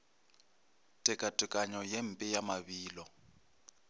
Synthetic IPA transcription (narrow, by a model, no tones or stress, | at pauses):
tʼɪkʼatʼɪkʼaɲɔjem̩pʼɪjamaβiːlɔ